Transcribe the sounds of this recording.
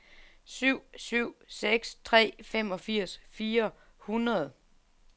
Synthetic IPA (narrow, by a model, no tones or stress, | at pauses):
syʊ̰syʊ̰seɡ̥st͡sʰʁɛ̰ːfem̰ɒ̽fiɐ̰sfiːɐ | hunʁɐðˠ